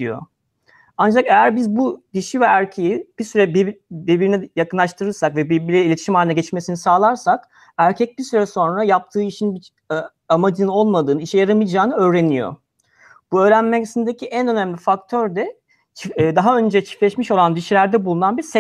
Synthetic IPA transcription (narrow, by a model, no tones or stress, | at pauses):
ḭjo̞̰ | and͡ʒakejæɾbizbud̪iʃivɛæɾcʰejib̥isyɾɛbibiɾbiɾinijakʰɯnlˠaʃt̪ʰɯɾɯɾsakvɛbiɾbiɾɛilʲe̞t̪ʰiʃimalʲinaɟɛt͡ʃmesinisaːlˠaɾsak | æɾcʰɛc̚biɾsyɾɛso̞nɾajap̚t̪ʰɯːiʃinbi | amad͡ʒɯnɯno̞lˠmad̪ɯːnɯiʃɛjaɾamɯjd͡ʒaːnɯø̞ːɾe̞nijo̰ | b̥uø̞ːɾænmɛsind̪ecʰiʔænø̞næmlʲifakt̪ʰøɾd̪ɛ | t͡ʃʰːd̪aɦaø̞nd͡ʒɛt͡ʃʰi̥flʲɛʃmiʃo̞lˠand̪iʃilʲæɾd̪ɛbulˠunanbiɾsɛ